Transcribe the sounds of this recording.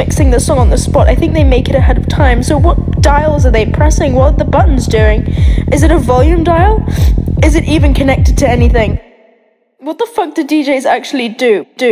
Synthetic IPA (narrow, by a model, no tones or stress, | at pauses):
ɪksɪ̃ŋðɨsɔ̃ŋə̃nðəspɑɾa̰ɪθɪ̃ŋk̚ðeɪmeɪkɨɾɨɦɛɾʌv̥tʰãɪ̃msoʊwʌt̚d̥aɪl̩ˠzə˞ðeɪpʰɹ̥ɛsɪ̃ŋwɛlˠðəbʌʔn̩zdʉɪ̃ŋʔɨzɨɾəvɑlˠjʉ̃mdaɪlˠɨzɨɾʔivɨ̃nkʰɨnɛk̚tɨd̚tʰɨɛniθɪ̃ŋ | wʌðəfʌk̚ðɨdid͡ʒeɪzæ̰k̚t͡ʃʉl̩ˠidʉd̥ɨ